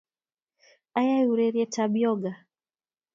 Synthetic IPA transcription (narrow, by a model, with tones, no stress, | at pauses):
a˦ja˦ju˨ɾɛɾjɛ˦tʰabjɔ˦ɡa˨